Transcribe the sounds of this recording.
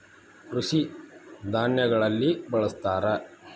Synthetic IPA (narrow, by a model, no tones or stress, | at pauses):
kɾuʂid̪ʱaːnjɐɡɐɭɐlːibɐɭɐst̪aːɾɐ